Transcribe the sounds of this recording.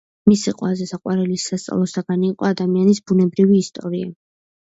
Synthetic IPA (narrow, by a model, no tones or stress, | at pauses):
misiqʼwazɛsaqʼwaɾɛlisast̪sʼa̰lˠɔsaɡaniːqʼɔad̪amianisbunɛbɾiviːst̪ʼɔɾia